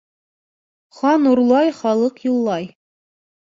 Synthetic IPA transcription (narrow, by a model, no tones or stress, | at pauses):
χɑnuɾlˠɑjχɑlˠɤqjulˠːɑj